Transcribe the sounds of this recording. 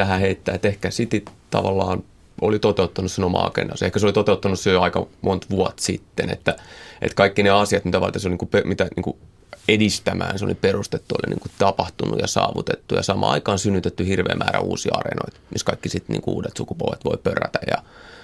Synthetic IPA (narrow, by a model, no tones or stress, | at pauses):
æhæheit̪ːæːet̪ehkæsit̪it̪ɑʋɑlːɑːn | olit̪ot̪eut̪ːɑnussenomɑ̰ɑ̰kendɑ̰sehkæseolit̪ot̪eut̪ːɑnussøjɑikɑmʔont̪ʋuɑt̪sit̪ːenḛt̪ːæʔḛt̪kɑikːineɑsiɑt̪mit̪æʋɑ̰lt̪ɑseolniːkupemit̪æniːŋku | edist̪æmæːnseoliperust̪et̪ːuolḭnḭːŋkut̪ɑpɑht̪unṵjɑsɑ̰ːʋut̪et̪ːujɑsɑmɑ̰ːɑ̰ikɑːnsynːyt̪et̪ːyhirʋḛːmʔæːræ̰ṵːsiɑrḛnoit̪miskɑikːisit̪nḭːŋkuṵːdet̪sukupuolʋet̪ʋoipøræt̪æjɑ